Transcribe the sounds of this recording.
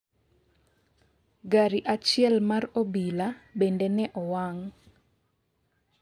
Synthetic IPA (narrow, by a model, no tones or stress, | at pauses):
ɡaɾiʔat͡ʃɪɛlmarobilabendenɛʔɔwaŋ